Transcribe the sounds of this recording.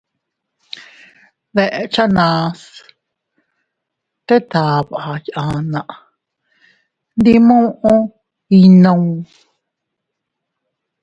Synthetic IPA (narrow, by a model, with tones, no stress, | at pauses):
ðe˧ʔe˧t͡ʃa˦nã˧s | k̪e˦t̪a˨βaʔa˨jʔã˨˧nã˨ʔ | nd̪i˦mõ˦ʔõ˦ | i˧nõ˧ũ˧